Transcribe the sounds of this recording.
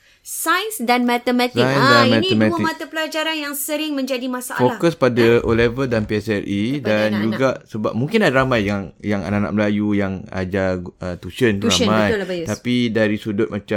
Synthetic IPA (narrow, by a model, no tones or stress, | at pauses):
sajsdanmɛt̪əmɛt̪sajsdanmɛnəmətmat̪apəlad͡ʒaɾanjaŋsəɾɪŋmə̃ɲd͡ʒadimãsaʔa̰folakəspadaʔolevədanpiɛsɛlʔidand͡ʒuɡaʔsəbap̚muŋkɪnadaɾamãjaŋjaŋa̰nana̰ʔ̚məlajujaŋa̰d͡ʒaət̪uʃənt̪uɾamãjt̪apidaɾisudʊt̪̚mat͡ʃa